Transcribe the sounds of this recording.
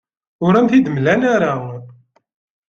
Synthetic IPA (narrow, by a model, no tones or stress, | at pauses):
ʊɾæmθid̪əmlænæɾa